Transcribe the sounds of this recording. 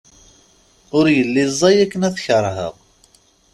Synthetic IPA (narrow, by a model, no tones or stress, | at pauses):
ʊɾjəlːizˤːɑjækːənæθçəɾˤɦə̰ʁ